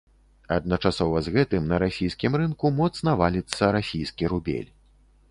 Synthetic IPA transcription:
ɐd̪̚nɐt͡ʂasɔvɐzɣɛt̪ɨmnɐɾasʲijskʲimɾɨnkumɔt̪snɐvalʲit̪sːɐɾasʲijskʲiɾubʲḛlʲ

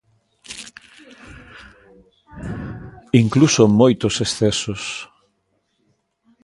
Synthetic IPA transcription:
iŋklusomojt̪ʊsesθɛsos

